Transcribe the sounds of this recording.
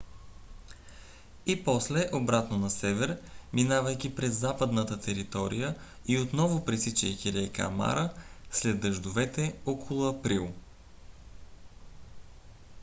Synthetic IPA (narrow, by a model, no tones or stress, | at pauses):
ipɔslɛʔobɾat̪nonɐsɛvɛɾminavəjkʲipɾɛzːapəd̪nət̪ət̪ɛɾit̪ɔɾijə | iot̪nɔvʊpɾisit͡ʃəjkʲiɾɛjka̰ma̰ɾəslɛd̪ːəʒd̪ʊvɛt̪ɛɔkʰolˠʊɐpɾilˠ